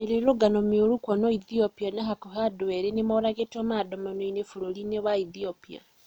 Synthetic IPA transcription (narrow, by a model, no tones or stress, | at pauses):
eɾeɾoɡanɔmeoɾukwɔnɔiθiopianaɦakohadoɛɾenemɔɾaɣetɔmadɔmanoinefuɾolinewaiθiopia̰